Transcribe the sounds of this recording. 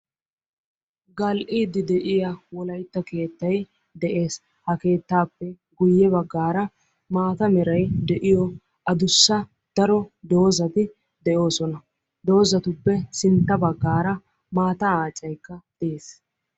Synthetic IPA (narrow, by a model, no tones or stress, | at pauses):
ɡɐlʔiːd̪ɪd̪ɛʔɪjawɔlɐjt̪ːɐke̞ːt̪ːɐj | d̪ɛʔe̞ːs | hɐke̞ːt̪ːaːpːɛ | ɡʊjːɛβɐɡːaːɾɐ | maːt̪ɐmɛɾɐjd̪ɛʔɪjɔ | ʔɐd̪ʊsːɐ | d̪̥ɐɾɔd̪o̞ːzɐt̪ɪ | d̪ɛʔo̞ːsɔnɐ | d̪o̞ːzɐt̪ʊpːɛsɪnt̪ːɐbɐɡːaːɾɐ | maːt̪ɐaːt͡ʃʼːɐjkːɐd̪̥ɛeːs